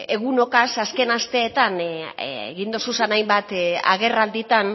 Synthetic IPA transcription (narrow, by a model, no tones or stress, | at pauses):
e̞ɣuno̞kasaske̞nast̪e̞ːt̪anḛɣind̪osusanajmbat̪a̰ɣ̞e̞rald̪it̪an